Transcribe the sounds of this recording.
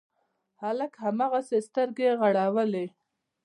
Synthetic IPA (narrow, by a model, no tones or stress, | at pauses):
haləkhamaɣasest̪əɾɡeɣaɽawəle